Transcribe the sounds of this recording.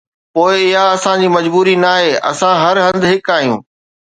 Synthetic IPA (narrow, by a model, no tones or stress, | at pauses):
poːɪɪɦaɐsãd͡ʑiːmɐd͡ʑbuːɾinaːɦeʔɐ̰sãɦɐɾɦɐ̃nd̪ɦɪkaːɦijṵ̃ː